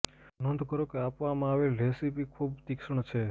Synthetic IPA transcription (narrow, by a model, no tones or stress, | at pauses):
nənd̪ʱkəɾokeapʋamãaʋelɾesipikʰubt̪ikʃəɳ̃t͡ʃʰe